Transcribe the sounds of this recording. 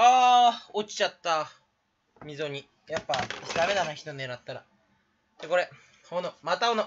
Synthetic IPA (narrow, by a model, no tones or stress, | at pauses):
aːot͡ɕi̥t͡ɕat̪ːa | mʲizo̞ɲ̟i | japːasd̪ame̞nanaçi̥t̪oeɾat̪ːaɾa̰ | d̪eko̞ɾe̞ | honomat̪aono